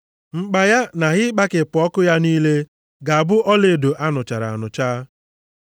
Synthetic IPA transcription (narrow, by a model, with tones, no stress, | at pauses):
ŋ͡m̩˨k͡pa˨ja˦na˨ɣɪ˦k͡pa˦kɪ˨pʊ˨ɔ˦kʊ˦ja˦niː˦le˦ | ɡa˨a˨bʊ˦ʔɔ˦le˨do˨ʔa˦nʊ˨t͡ʃa˨ɾa̰˨a˨nʊ˨t͡ʃaː˦